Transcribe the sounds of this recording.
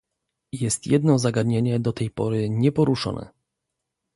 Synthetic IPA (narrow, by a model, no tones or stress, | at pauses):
jɛst̪jɛd̪nɔzaɡad̪ɲeɲɛd̪ɔt̪ɛjpɔɾɘɲɛpɔɾuʂɔ̰nɛ̰